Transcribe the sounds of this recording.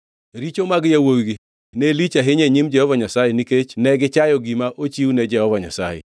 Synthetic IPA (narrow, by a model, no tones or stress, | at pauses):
ɾit͡ʃomaɡjawoɡi | nelit͡ʃaɦɪɲeɲimd͡ʒɛhɔvaɲasajeniket͡ʃnɛɡɪt͡ʃajɔɡimaʔot͡ʃiwnɛd͡ʒɛhɔvaɲasajɛ̰